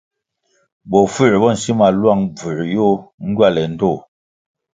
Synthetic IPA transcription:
bɔ˨fʉ˦˨ɾbɔ˦˨n̩˨si˦ma˨lwa˦˨ŋb͡vʉ˨ɾjo˦ŋ̩˦ɡɥa˦˨lɛ˨n̩˦to˦˨

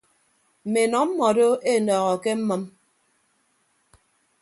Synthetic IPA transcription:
m̩˨me˨nɔ˨˦m̩˦mɔ˨do˦e˦˨nɔː˨ɣɔ˨ke˦m̩˦mɨ˦m

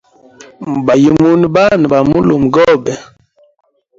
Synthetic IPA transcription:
ba˨ji˨mu˦n˦ba˦n˨ba˨mu˦lu˨mɡɔ˦bɛ˨

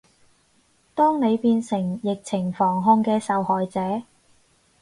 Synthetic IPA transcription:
t̪ɔː˥ŋne˨˧jpiː˧nsɪ˨˩ŋjɪ˨k̚t͡sʰɪ˨˩ŋfɔː˨˩ŋɦʊ˧ŋkɛː˧sɐ˨whɔː˨jt͡sɛː˨˥

